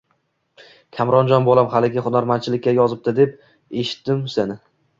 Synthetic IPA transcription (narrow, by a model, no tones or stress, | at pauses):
kʲʰamɾɒnd͡ʒɒnbolˠamhalɪɡʲɪχʊnaɾmant͡ʃʰɪlɪkʲːajɒzɪp̚d̪ɪd̪e̞p̚ | e̞ʃɪ̥t̪ːɪmsenɪ